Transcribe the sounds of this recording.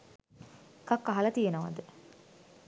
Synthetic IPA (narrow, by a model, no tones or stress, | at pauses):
kakːaɦɐlɐt̪ijenəʋa̰d̪ə